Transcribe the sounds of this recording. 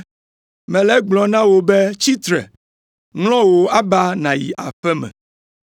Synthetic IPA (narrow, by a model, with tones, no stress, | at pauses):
mɛ̃˨lɛ˦ɡ͡blɔ˨nã˦wo˦be˦t͡ɕi˦t̪ɾɛ̰˨ | ŋlɔ̃˦wo˨a˦ba˦nã˨jḭ˨ʔa˨ɸɛ˦mɛ̰̃˨